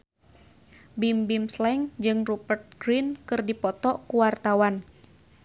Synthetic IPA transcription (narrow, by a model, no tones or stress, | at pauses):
bimbimslɛŋd͡ʒɨŋrubərt̪̚ɡ̥ɾinkɨrdipɔt̪ɔkuwart̪awan